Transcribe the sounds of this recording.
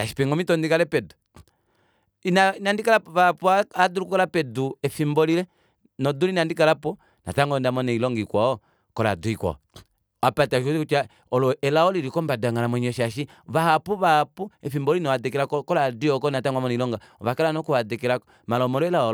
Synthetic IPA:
aʃi̥pɛŋɡɔmitɔndikalɛpɛdu | inainandikalaβapuaaduɾukukɔlapɛduɛfimbɔlilɛ | nɔdulinandikalapɔ | na̰taŋɡɔndamɔnɛilɔŋɡikwaɔ | kɔla̰duikwa̰ | apataʃɔiut͡ʃa | ɔlɔɛlaɔliɾikɔmbadaŋɡalamwɛɲɔʃaʃi | βahapuβahapuɛfimbɔlinɔwadɛkɛlakkɔladiɔkɔnataŋɡamɔnɛilɔŋɡa | ɔβakɛlanɔkuadɛkɛla | malɔmɔlɔɛlaɔ

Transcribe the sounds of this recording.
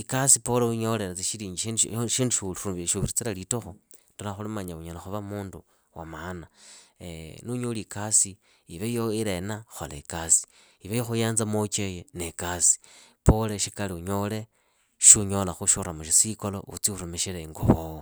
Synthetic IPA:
ikasipoleuɲo̞leɾat͡siʃiɾiːɲɡiiʃiːnduʃuuʃuβiɾit͡silalitoxo | ndolaxulimaɲauɲolaxuβamuːndu | wa̰maːnaenuɲolikasiː | βejoiɾenaxo̰lḛikasi̥ | iβejoxujaːnzamot͡ʃejenekasi̥poleʃikaliuɲole̞ | ʃuɲolaxuʃuɾamuʃisikolo̰ʔṵt͡siuɾumeʃileŋɡo̰βowo

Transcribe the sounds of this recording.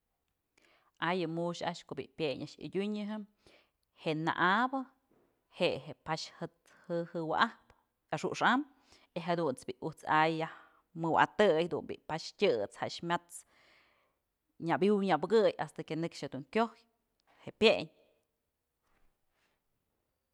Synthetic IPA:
ʔajɨmuʃa̰ʔʃkoʔbḭʔpʲeɲʔaʔʃḭdʲuɲɨɦɨm | hena̰ʔabɨ | heʔɦepaʃhɨt̪ | hɨhɨwa̰ʔahp | aʂṵʔʂam | eɦad̪unt͡sbʲiʔut͡sajːah | mɨwa̰t̪ɨjd̪ṵnbʲḭʔpaʃtʲɨt͡shaʔʂmʲat͡s | ɲabiwɲabɨɡɨja̰st̪akenɨkʂhed̪uŋkʲohj | heʔpʲjeɲ

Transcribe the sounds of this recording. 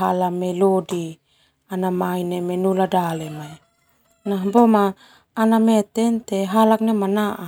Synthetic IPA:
alamelodi | anamainemenuladalemae | naɦbomaː | namɛt̪ɛnt̪eɦalak̚nemanaʔa

